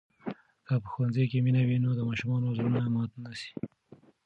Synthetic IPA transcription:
kapəxwanzejkeminawinod̪əmɑʃumɑnozonamɑt̪nasi̥

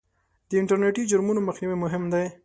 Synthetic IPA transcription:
d̪̥əɪɳʈəɾneʈid͡ʒʊɾmunoməxniwimʊɦɪmd̪aj

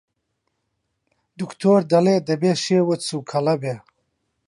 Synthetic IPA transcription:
d̪ukt̪ʰoːɾd̪ɐleːd̪ɐbeːʃeːwɨt̪suːkʰɐlɐbeː

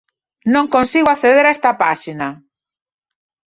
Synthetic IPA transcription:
nõŋkõnsiɣoaθeðeɾaest̪ɐpaʃina

